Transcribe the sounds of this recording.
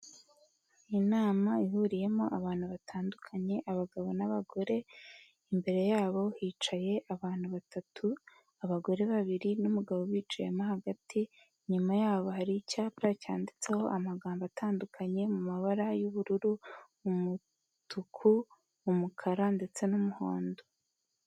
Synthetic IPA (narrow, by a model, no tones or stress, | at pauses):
inaːmaiɦuɾije̞mo̞ʔaβaːn̥huβatʰaːndukʰaɲe̞ʔaβaɡaβo̞naβaɡo̞ɾe̞ | imbe̞ɾe̞jaːβo̞hiːt͡ʃaje̞ʔaβaːn̥huβatʰatʰu | aβaɡo̞ɾe̞βaβiɾinumuɡaβo̞βiːt͡ʃajemohaɡatʰi | ɲumajaːβo̞haɾicaːpɾacaːndit͡se̞ho̞ʔamaɡaːmbatʰaːndukʰaɲe̞mumaβaɾajuβuɾuɾuː | mu | tukʰu | umukʰaɾande̞t͡se̞numuho̞̰ːndo